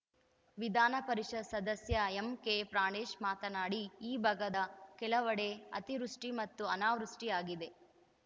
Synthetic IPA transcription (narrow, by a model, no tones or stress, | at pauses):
ʋid̪ʱaːnɐpɐɾiʂɐd̪sɐd̪ɐsjɐemkepɾaːɳeːʃmaːt̪ɐnaːɽiːbʱɐɡɐd̪ɐkɛlɐʋɐɽe̞ɐ̰t̪iɾuʂʈimɐt̪ːuɐnaːʋɾuʂʈiaːɡid̪e̞